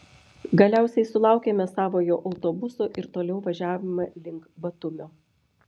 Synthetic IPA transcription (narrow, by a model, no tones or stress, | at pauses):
ɡɐlʲæˑʊsʲɛɪsʊlˠɑˑʊkʲeːmʲɛsɑːʋoːjoːʔɐʊt̪obʊsoːʔɪɾt̪oːlʲɛʊʋɐʒʲæːʋʲɪmɐlʲɪŋkbɐt̪ʊmʲoː